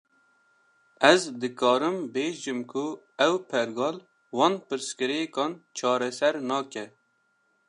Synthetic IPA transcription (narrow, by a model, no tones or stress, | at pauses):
ɛzd̪ɨkɑːɾɨmbeːʒɨmkʰu | ɛwpʰɛɾɡɑːl | wɑːnpɨɾskɨɾeekɑːnt͡ʃʰɑːɾɛsɛɾnɑːkɛ